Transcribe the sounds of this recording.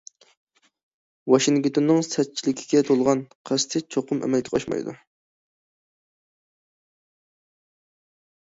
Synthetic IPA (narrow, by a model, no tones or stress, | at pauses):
wɑʃiŋkʲt̪ʰonːɨŋsɛt̪̚t͡ʃʰilɪkʲʰi̥ɡʲɛt̪ʰolˠʁɑnqʰæst̪ʰɪt͡ʃʰoqʊmʔɛ̰mɛlkʲʰkɑ̰ʃmɑ̰jd̪ṵ